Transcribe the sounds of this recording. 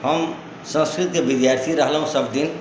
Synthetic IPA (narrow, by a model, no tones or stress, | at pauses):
ɦəm | sə̃nskɾit̪kebid̪jaɾt̪ʰiɾəɦlɦũsəbd̪in